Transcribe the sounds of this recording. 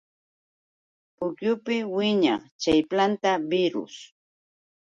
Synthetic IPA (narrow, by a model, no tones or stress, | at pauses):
pʊkjʊpɪwɪɲɑχt͡ʃajplant̪abɪɾʊ̰s